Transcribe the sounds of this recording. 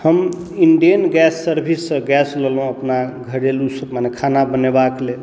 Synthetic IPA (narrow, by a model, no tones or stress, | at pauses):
həm | iɳɖijənɡɛsːəɾbʱisːə̃ɡɛsləlɦũəpnaɡʱəɽelusəmanekʰanabənebakle